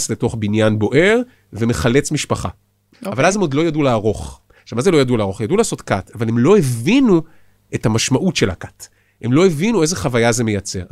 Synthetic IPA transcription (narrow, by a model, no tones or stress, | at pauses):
sleto̞χbinjanbo̞ʔe̞ʁ | veme̞χale̞t͡smiʃpaχa̰ | avalazemo̞dlo̞jaduleːʁo̞χ | ʃavmazelo̞jaduleaːʁo̞χjadulaːso̞tkatavalemlo̞evinu | etamaʃmaʔutʃe̞la̰kḁt | he̞mlo̞evinue̞zeχavajazeme̞jat͡se̞ʁ